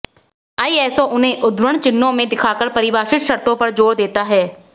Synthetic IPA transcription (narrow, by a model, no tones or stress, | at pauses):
aːiɛːsõʔʊnɦẽʔʊd̪wɾəɽ̃t͡ʃɪnːõmẽd̪ɪkʰaːkəɾpɐɾɪʋaːʃɪt̪ʃɐɾt̪õpɐɾd͡ʒoːɽd̪eːt̪aɦɛː